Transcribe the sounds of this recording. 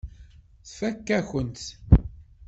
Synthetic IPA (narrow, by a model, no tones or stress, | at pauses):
θfækːæçənt̪